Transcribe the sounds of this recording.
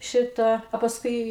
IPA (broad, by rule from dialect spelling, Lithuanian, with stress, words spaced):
ˈʃʲɪtɐ ɐ pɐsˈkʊɪ